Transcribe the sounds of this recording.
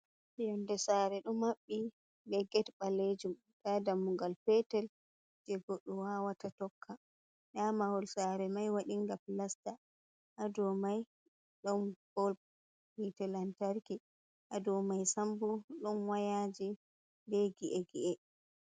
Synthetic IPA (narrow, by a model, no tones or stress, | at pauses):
ijɔndɛsaɾɛɗɔmːaɓːi | bɛɡɛtɓaled͡ʒum | ɗadamːuŋɡalpɛtɛl | d͡ʒɛɡɔɗːɔwawatatɔkʰːa | ɗamahɔlsaɾɛmajwaɗiŋɡaplasta | ʔadɔmaj | ɗɔnpɔl | pitɛlantaɾki | ʔadɔmajsambuɗɔnwajad͡ʒi | dɛɡiʔɛɡiʔɛ